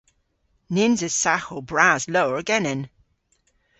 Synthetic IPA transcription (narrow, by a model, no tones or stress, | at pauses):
nɪnzɪz̥saxobɹazlowəɹəɡɛnɛn